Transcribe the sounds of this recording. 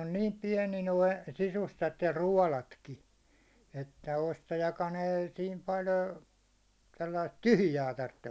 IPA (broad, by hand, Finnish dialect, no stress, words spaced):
on niːm piɛni noi sisustɑt jɑ ruɒlɑtki etːæ ostɑjɑkɑn ei siːm pɑl ə selːɑist tyhy̆jæː tɑrtːe